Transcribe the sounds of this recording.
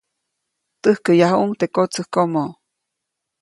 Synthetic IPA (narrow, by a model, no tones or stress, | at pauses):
t̪əhkəjaɦuuŋt̪ekot͡səhkomo